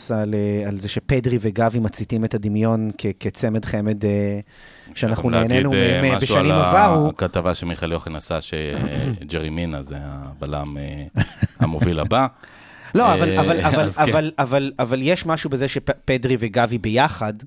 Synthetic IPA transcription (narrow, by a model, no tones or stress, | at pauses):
salealzeʃepedʁiveɡavimat͡sitimetad̪imjo̞nkʰeket͡se̞me̞dχe̞me̞d̪e | ʃeanaχnuneːnenuemebeʃalnimavvaʁukat̪avaʃemiχaljoχinasaʃed͡ʒeʁiminazeabala̰me | a̰movila̰ba | loavalavalavaavalavalavaljeʃmaʃubezeʃepedʁiveɡavibe̞jaχad